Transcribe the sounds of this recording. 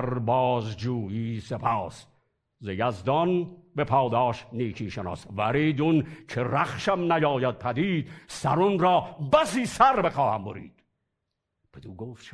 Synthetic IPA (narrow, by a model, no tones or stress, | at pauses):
ɾbɑːzd͡ʒuːjiːsepʰɑːs | zejæzd̪ɒnbepʰɑːd̪ɑːʃniːkʰiːʃenɑ̰ːsvæɾiːd̪unkʰeɾæχʃæmnæjɒːjæd̪̚pʰæd̪iːd̪sæɾonɾɒːbæsiːsæɾbexɑːhæmboɾḭːd̪̥ | b̥ed̪uːɡoːft̪ʃʰ